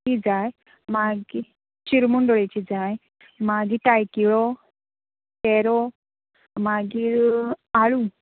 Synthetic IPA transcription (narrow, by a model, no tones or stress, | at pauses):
id͡zaj | maɡi | t͡ɕiɾmuɳɖɔɭet͡ɕid͡zaj | maɡiʈajkiɭɔ | tɛɾɔ | maɡiːɾaɭu